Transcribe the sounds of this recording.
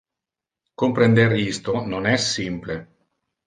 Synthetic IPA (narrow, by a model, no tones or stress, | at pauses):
kompɾend̪eɾist̪ononɛsːimple